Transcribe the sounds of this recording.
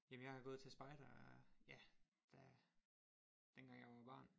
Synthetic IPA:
jemənjɑ̈ɪhɑɡɔ̽ːð̩ˠt͡sʰe̝æsb̥ɑ̈ɪd̥ɐjæ | d̥æ | d̥enɡ̥ɑ̈ŋ̰jɑ̈ɪʋɑb̥ɑ̰̈ːn

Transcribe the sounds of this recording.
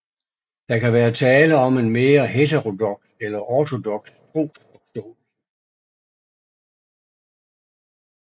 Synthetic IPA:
d̥ɑ̈kæʋæːɐt͡sʰɛːləɒ̽me̝nmeːɐɦet͡sʰeʁo̝d̥ɔ̽ɡ̥selɐʔɒt͡sʰo̝d̥ɔ̽ɡ̥sfʰʁo̰̥ːɒ̥soːl

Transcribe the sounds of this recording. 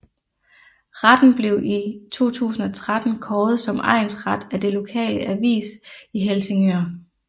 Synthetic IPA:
ʁad̥n̩b̥le̝ʊʔit͡sʰo̝̰ːt͡sʰṵːsn̩ɒ̽t͡sʰʁad̥n̩kʰɒːð̩ˠsɒ̽mʔɑ̰̈ɪ̰nsʁɑd̥æd̥e̝lo̝kʰɛ̰ːləʔæʋḭːsiɦelse̝ŋøɐ

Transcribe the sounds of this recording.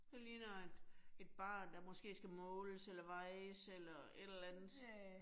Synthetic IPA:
d̥eliːnɒd̥e̝d̥̚b̥ɑ̰̈ːnd̥ɑ̈mɒ̽sɡ̥e̝̰ːsɡ̥æmɔːləselɐʋɑ̈ɪselɐ | e̝dlænð̩ˠ

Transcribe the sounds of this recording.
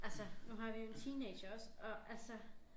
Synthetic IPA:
ʔælsənuɦɑ̈ʋijo̝e̝nt͡sʰiːne̥ɕɐɒ̽sɒ̽ʔælsə

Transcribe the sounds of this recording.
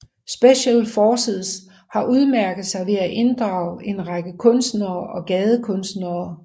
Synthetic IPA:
sb̥eɕelfɒːsið̰ˠs | hɑ̈ʔuð̞ˠmæɐɡ̥əð̩ˠsɑ̈ɪʋe̝æʔe̝nd̥ʁɑ̈ʊe̝nʁɑɡ̥əkʰɔ̽nsd̥nɐːʔɒ̽ɡ̥ɛːð̞ˠəkʰɔ̽nsd̥nɐː

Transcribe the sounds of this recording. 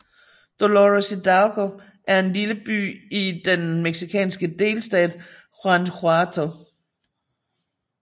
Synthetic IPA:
d̥oloʁsid̥ɑʊɡ̥ʰo | ʔæɐe̝nliləb̥y̰ːid̥enmeɡ̥sikʰɛ̰ːnsɡ̥əd̥e̝̰ːlsd̥ɛ̰ːd̥ | fɑnd̥ʰoɑt͡sʰo

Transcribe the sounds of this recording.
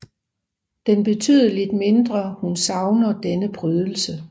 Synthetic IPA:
d̥enb̥e̝t͡sʰy̰ðˠɐled̥me̝nd̥ʁɐhunsɑ̈ʊnɐd̥enəb̥ʁyð̞ˠl̩sə

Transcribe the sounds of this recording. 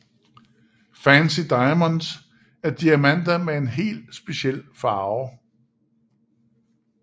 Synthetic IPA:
fænsid̥ɑ̈ɪməns | æɐd̥iæmæn̰d̥ɐmee̝nɦe̝̰ːlsb̥e̝ɕiel̰fɑ̈ːʊ

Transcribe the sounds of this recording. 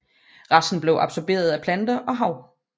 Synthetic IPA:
ʁɑ̈sn̩b̥le̝ʊʔɑ̈b̥sɒb̥e̝̰ːɐð̞ˠæpʰlænd̥ɐʔɒ̽ɦɑ̈ʊ̰

